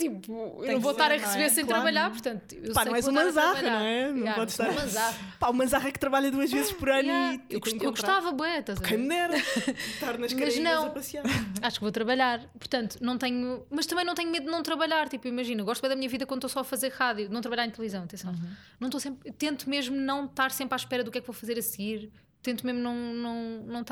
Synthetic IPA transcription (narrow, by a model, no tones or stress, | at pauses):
t̪ipuewnɐ̃voʃt̪aɾɐʁɨsβeɾsɐ̃t̪ɾɐβɐʎaɾpuɾt̪ɐ̃nt̪u̥t̪i̥puewpanɐkɛzũmɐ̃zɐaβɐʎʁɐnɐ̃w̃ɛnɐ̃ãpɔðʃt̪aɾmɐ̃zaɐpaumɐ̃zaʁɛk̚t̪ɾɐβaʎɐðuɐʒvezʃpɔɾɐnuewkuewɣut̪avɐbwɛt̪azkɐ̃j̃munɛɾɐt̪aɾnɐʃkɐʒnɐ̃wz̃ɐpɐsiaaʃu̥kvot̪ɾɐβɐʎaɾ | puɾt̪ɐ̃nt̪u̥nɐ̃w̃t̪ɛɲumɐʃt̪ɐmɐ̃nɐ̃t̪ɛɲumeðud̪nɐ̃w̃t̪ɾɐβɐʎaɾt̪ipuewimɐʒinɐɣɔʃt̪βɐ̃d̪ɐmiɲɐviðɐkwɐ̃d̪ut̪osɔɐfɐzeɾʁaðjunɐ̃w̃t̪ɾɐʎaɾẽt̪lˠvizɐ̃w̃ɐt̪ẽsɐ̃w̃nɐ̃w̃t̪osẽmpɾet̪ẽnt̪umeʒmunɐ̃w̃t̪aɾsẽmpɾaʃpɛɾɐðukɛkvowfɐzeɾɐsɣiɾ | t̪ẽnt̪umeʒmnɐ̃w̃nɐ̃w̃nɐ̃w̃t̪a